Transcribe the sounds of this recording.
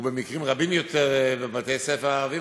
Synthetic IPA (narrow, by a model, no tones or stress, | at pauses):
ubemikʁimʁabimjot̪ʰeʁbevat̪ejsɛfeʁaavi